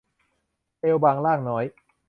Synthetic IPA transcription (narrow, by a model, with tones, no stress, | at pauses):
ʔeː˧wbaː˧ŋlaː˥˩ŋnɔː˦˥j